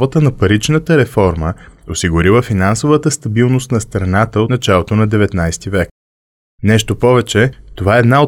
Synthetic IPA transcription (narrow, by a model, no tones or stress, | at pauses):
vət̪ənɐpɐɾit͡ʃnət̪əɾɛfɔɾməosiɡʊɾivəfinansovət̪əst̪ɐbilˠnost̪nɐst̪ɾɐnat̪əonɐt͡ʃalˠot̪onɐd̪ɛvɛt̪najst̪ivɛk̚ | nɛʃt̪opɔvɛt͡ʃɛt̪ovaɛːd̪nao